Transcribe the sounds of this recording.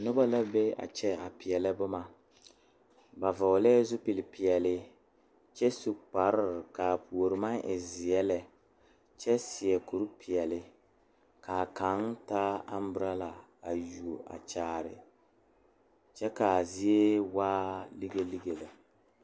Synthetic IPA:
nʊ˦ba˦la˦be˦a̰˨t͡ʃɛ˦a˨pɪ˨ɛ˨lɛ˦bʊ˦ma˨ | ba˨va˨lɛ˦zʊ˦pɪ˨lɪ˨pɪ˨ɛ˨lɪ˦ | t͡ʃɛ˦su˨k͡pa˨ɾɪ˦ɾɪ˨ka˨pʰu˨o˨ɾɪ˨ma˦nʔɪ˨zɪ˨jɛ˦lɛ˨ | t͡ʃɛ˦sɪ˨ɛ˨ku˨ɾu˦pʰɪ˨ɛ˨lɪ˦ | kaː˨ka˨˦ntaː˦a˦m˦bʊ˦ɾa˦la˨a˨ju˨o˨ʔa̰˨t͡ʃaː˦˨ɾɪ̰˨ | t͡ʃɛ˦ka˨zɪ˦e˦waː˦li˦ɡe˦li˦ɡe˨la˨

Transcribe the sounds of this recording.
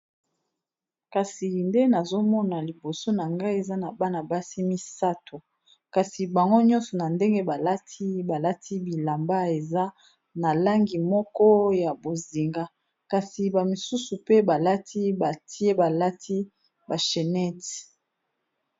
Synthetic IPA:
ka˨si˨li˨nde˦na˨zo˦mɔ˦na˨li˨bo˨so˦na˨ŋɡa˦i˦e˨za˦na˨ba˦na˨ba˦si˦mi˦sa˦to˨ | ka˨si˨ba˨ŋɡo˦ɲɔ̃˦nsɔ˨na˨nde˦ŋɡe˦ba˨la˦tʰi˦ba˨la˦tʰi˦bi˨la˨mba˦e˨za˦ | na˨la˦ŋɡi˨mɔ˦kɔ˦ja˨bo˨zi˨ŋɡa˦ | ka˨si˨ba˨mi˨su˦su˨pe˦ba˨la˦ti˦ba˨ti˦e˦ba˨la˦tʰi˦ | ba˨ʃe˨nɛ˦ti˨

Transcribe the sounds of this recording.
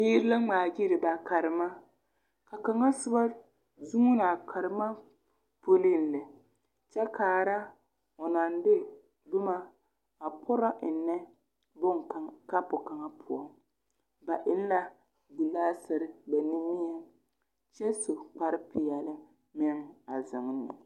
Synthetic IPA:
biː˦ɾɪ˦la˦ŋ͡maː˨d͡ʒi˦ɾɪ˨ba˨ka˨ɾɪ˨ma˦ | ka˨ka˨ŋa˦sʊ˦ba˦ | zu˦ŋu˦na˨kʰa˨ɾɪ˨ma˦ | po˦li˦n˨lɪ˨ | t͡ʃɛ˦kʰaː˨ɾa˦ | ɔ˨na˨ndɪ˦ | dʊ˦ma˦ | a˨pʰʊ˦ɾa˦ʔɪ˨nːɛ˦ | bʊ˦ŋ˨ka˦pʊ˨ka˨ŋa˦pʰʊ˨ɔ˦ | ba˨ʔɪ˦n˦la˦ | bu˨laː˦sɪ˦ɾɪ˦ba˨ni˦mi˦ɛ˦ | t͡ʃɛ˦so˨k͡pa˨ɾɪ˦pɪ˨jɛ˨lɪ˦ | mɪ˦ŋa˨zɪ˨ŋ˦nːɪ̰˨

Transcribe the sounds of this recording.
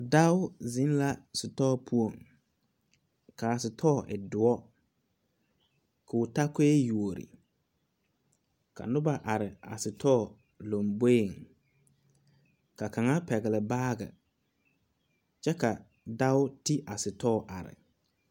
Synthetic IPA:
da˦ʊ˦zɪ˦n˦la˦sʊ˨tɔː˦pʰu˦o˦˨ŋ | ka˨sɪ˨tʰɔː˦˨ʔɪ̰˨dʊ˨ɔ˦ | kʊː˨ta˦ke˦ju˨o˨ɾḭ˨ | ka̰˨nʊ˦ba˦ʔa˨ɾɪ˨a̰˨sɪ˨tʰɔː˦˨ | lo˨mbe˦˨ŋ | ka˨ka˨ŋa˦pɛ˨ɣɪ˨lɪ˨baː˦ɡɛ̰˨ | t͡ʃɛ˦ka˨ | da˦ʊ˦ti˦ʔa˨sɪ˨tɔː˦˨ʔa˨ɾɪ̰˨

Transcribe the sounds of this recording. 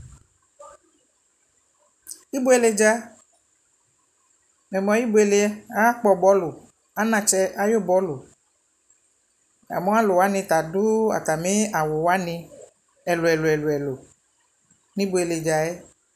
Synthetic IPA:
i˦bo˦e˨le˨d͡ʒa˧ | mɛ˨mɔ̃˨ji˦bo˦e˨le˨ɛ˦a˦k͡pɔ˨bɔ˨˦lo˨ | a˦nã˧t͡ʃɛ˧ʔa˦jo˦˨bɔ˨˦lo˨ | a̰˨mɔ̃˦a˦lo˨wa˨˦nĩ˧t̪a˨du˦a̰˨t̪a˨mĩ˦a˨wo˨wa˦nĩ˧ | ɛ˨lo˨ɛ˨lo˨ɛ˨lo˨ɛ˨lo˨ | nĩ˦bo˨˦e˨le˨d͡ʒa˨ɛ˦

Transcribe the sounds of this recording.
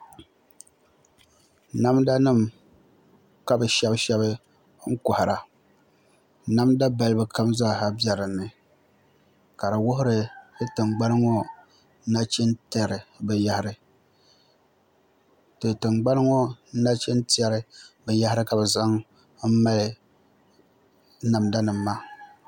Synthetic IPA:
na˦mda˦nɨ˦˨m | ka˨bɛ˨ʃɛ˦bʃɛ˦bɨ˦ | ŋ̩˦kʊ˨ha˨ɾa˨ | na˦mda˦ba˦lɨ˦bɨ˦ka˦mzaː˦˨ha˦bɛ˦ɾɨ˨nːɨ˨ | ka˨ɾa˨wʊ˦ɦʊ˦ɾɨ˨ɨ˦tɨ˨ŋɡ͡ba˦nɨ˦ŋɔ˦ | na˦t͡ʃi˦nta˦˨ɾɨ˨bɛ˨ja˦hɪ˦ɾɨ˦ | tɨ˨tɨ˨mɡ͡ba˦nɨ˦ŋɔ˦na˦t͡ʃɛ˦nti˦ɛ˦ɾɨ˦bɛ˨ja˦hɪ˦ɾɨ˦ka˨bɛ˨za˦ŋ | m̩˦ma˦lɨ˨ | na˨mda˦nɨ˨mːa˦

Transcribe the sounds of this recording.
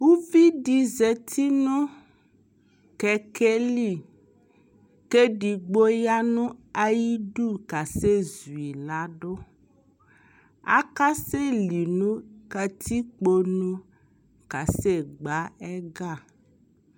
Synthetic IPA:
wu˦vi˦ɖi˨ze˨t̪ʰi˦nũ˦ | kɛ˨ke˦li˦˨ | ke˦ɖi˨ɡ͡bo˦ja˦nũ˦a˨ji˦ɖu˦ka˨se˦zu˨i˨la˨˦ɖo˦ | a̰˦ka˦se˦li˨nũ˦ka˨t̪ʰi˦k͡po˨nũ˦ | ka˨se˦ɡ͡ba˦ɛ˦ɡa˦˨

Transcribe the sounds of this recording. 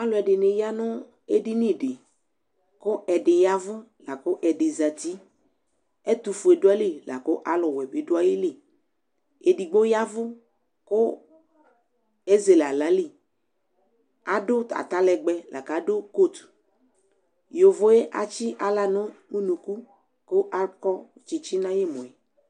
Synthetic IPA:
a˦lɔ˨ɛ˨ɖɪ˨ne˨ja˦nʊ̃˦ | e˦di˦nĩ˦˨ɖe˨ | kʊ˦ʔɛ˨ɖɪ˨ja˦vʊ˦la˨kʊ˦ʔɛ˨ɖe˨za˨t̪i˦ | e˦t̪u˨fu˨e˨do˦a˦li˦la̰˨ko˦ʔa˦lʊ˨wɛ˨be˨do˦a˦ji˦li˦˨ | e˨di˨ɡ͡bo˦ja˦vʊ˦ | kʊ˦ | e˦ze˨la˨la˦li˦ | a˨dʊ˦t̪a̰˨t̪a˦lɛ˨ɡ͡bɛ˨lʔa̰˨ka˨˦do˦ko˦˨t̪ | jo˨vo˦je˦ʔa̰˨t͡ʃi˦ʔa˦la˨nʊ̃˦nũ˦nũ˨ku˦ | ko˦ʔa˦kɔ˦t͡ʃi˨t͡ʃi˦nã˦je˦mõ˨ɛ˨

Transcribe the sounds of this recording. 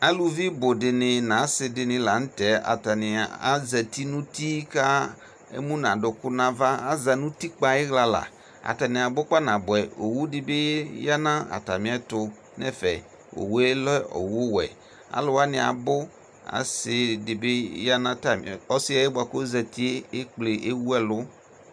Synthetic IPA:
a˦lu˨vi˦bʊ˨dɪ˨nɪ˨nã˨˦sɪ˨dɪ˨nɪ̃˨la˨n̩˦tɛ˨a̰˨ta˨nɪ˨a̰˦zɛ˨ti˦nũ˦ti˦ka˦ | ḛ˦mũ˦nã˨dʊ˨kʊ˦nã˨va˦a˦za˨nũ˦ti˦k͡pa˨ɪ˦ɣla˨la̰˨ | a̰˨ta˨nɪ̃˨a˨bʊ˦k͡pa˦nã˨bʊ˨ɛ˨o˨wu˦dɪ˨bɪ˦ja˦nã˦a̰˨ta˨mĩ˨ɛ˦tʊ˦ | nɛ̰˦fɛ˨ | o̰˨we˦lɛ˦o̰˨wʊ˦wɛ̰˨ | a̰˨lʊ˨wa˦nɪ˨a̰˨bʊ˦ | a̰˨sɪ˦dɪ˨bɪ˦ja˦nã˦ta˨m˨ɔ˦sɪ˦ɛ˦e˦ba˨ko˦zɛ˨ti˦e˦e˦k͡ple˨ʔe˦wu˦ɛ˦lʊ˦

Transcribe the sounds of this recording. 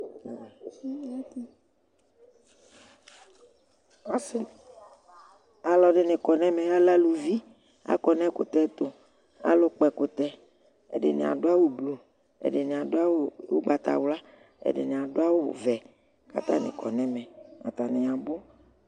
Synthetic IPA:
a˦sɪ˨ | a˨lɔ˨ɖɪ˨nɪ̃˨kɔ˨nɛ̃˦mɛ̃˨˦a˦la˦lu˨vi˦ | a̰˦kɔ˨nɛ̃˦ko˨t̪ɛ˦t̪o˨ | a̰˨lo˦k͡pɛ˨ko˨t̪ɛ˦ | ḛ˨ɖɪ̰˨nḛ̃˨a̰˨ɖo˦a˦wo˦blu˨ | ḛ˨ɖɪ˨nẽ˨a˨ɖo˦a˦wo˦o̰˦ɡ͡ba˨t̪a̰˨wla˦ | ḛ˨ɖɪ̰˨nẽ˨a˨ɖo˦a˦wo˦˨vɛ˨ | ka˨t̪ã˦nɪ̰̃˨kɔ̰˨nɛ̃˦mɛ̃˨a̰˨t̪a˨nɪ̃˨ã˨bo˦

